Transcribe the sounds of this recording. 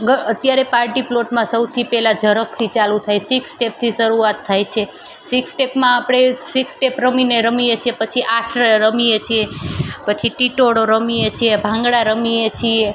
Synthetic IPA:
ɡəət̪jaɾepaɾʈiploʈmãsəwt̪ʰipɛlad͡ʒʱəɾək̚t̪ʰit͡ʃalut̪ʰajsiksʈep̚t̪ʰiʃəɾuat̪ʰːajt͡ʃʰe | siksʈepmãːpɽ̃esiksʈepɾəmineɾəmiet͡ʃʰiepət͡ʃʰiʔaʈʰɾəmijet͡ʃʰiepət͡ʃʰiʈiʈoɽoɾəmiet͡ʃʰiebʱãŋɡɽaɾəmiet͡ʃʰie

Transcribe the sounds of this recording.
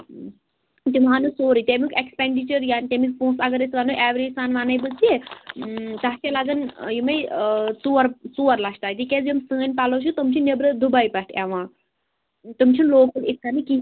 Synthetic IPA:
t̪imɦaːnɨsoːɾit̪emikekspeɳɖit͡ʃɐɾjaːnt̪emik̚pũːsɐɡɐɾesʋɐnuʔɛːʋɾisaːnʋaːnɐjbɨse | t̪ɐɦtelɐɡɐnjimɐjt͡suɐɾt͡suːɐɾlɐʃt̪aːjt̪̬ikʲezimsəːnʲpɐloʃʰut̪umt͡ʃʰinebɾɨd̪ubɐjpɐʈʰɛʋãː | t̪umt͡ʃʰinloːkɐlikːɐnɨki

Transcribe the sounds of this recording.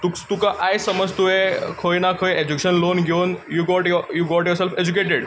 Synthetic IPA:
t̪ut̪ukaʔajsəməd͡zt̪uekʰojnakʰojed͡ʑukɕənlonɡʱonjuɡɔʈjjuɡɔʈjɔɾselfed͡ʑuk̬eʈeɽ

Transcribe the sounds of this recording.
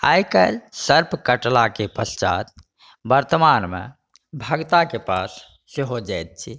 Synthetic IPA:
a̰jkəlsəɾpʰkəʈlakepəst͡ʃa̰t̪̚ | bəɾt̪əmanmḛ | bʱəɡt̪akepasː | eɦod͡ʒajt̪̚t͡ʃʰi

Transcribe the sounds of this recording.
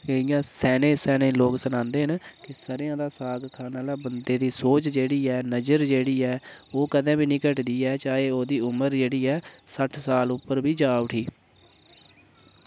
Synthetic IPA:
ɪjãːsɛːnẽːsɛːnẽːloːksənãːnd̪eːɦənkɪsəɾjãːd̪aːsaːɡkʰaːnaːlaːbənd̪eːd̪iːsoːt͡ʃd͡ʒeːɽiːɛːnəd͡ʒəɾd͡ʒeːɽiːɛːoːkəd̪ɛ̃ːbiːnĩːkəʈd̪iːɛːt͡ʃaːeːoːd̪iːʊməɾd͡ʒeːɽiːɛːsəʈʰsaːlʊpːəɾbiːd͡ʒaːʊʈʰiː

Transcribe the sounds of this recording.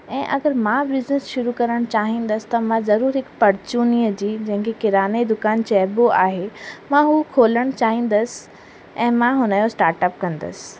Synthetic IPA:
ɛ̃ːʔɐɡəɾmãbɪznɪsʃʊɾukɐɾəɽ̃t͡ɕaːɦĩːnd̪əsɪ̥t̪ɐmãzɐɾuːɾɦɪkpɐɾt͡ɕuːniːəd͡ʑiːd͡ʑɐ̃ɦɪ̃ŋkʰekɪɾaːned̪ʊkaːnt͡ɕɛːboʔaːɦemãɦuːkʰoːləɽ̃t͡ɕaːɦĩːn̆d̪əsɪ̥ | ɛ̃ːmãɦʊnəjosʈaːɾʈəpkɐ̃nd̪ə̰sɪ̥

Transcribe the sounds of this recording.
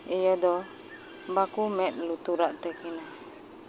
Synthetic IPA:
ijɔdɔ | bakumɛʔ̪̚lut̪uɾaʔt̪ɛkina

